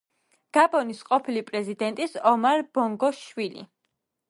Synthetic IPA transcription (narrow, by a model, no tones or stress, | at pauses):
ɡ̥abɔnisqʼɔpʰilipʼɾɛzid̪ɛnt̪ʼisɔmaɾb̥ɔŋɡɔʃwilḭ